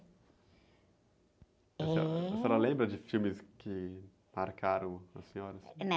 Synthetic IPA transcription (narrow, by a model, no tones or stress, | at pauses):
esɛɾɐlẽbɾɐd͡ʒɪfiwmɪskʰɪ | maɾkaɾɐ̃w̃ɐsːẽɲɔɾɐn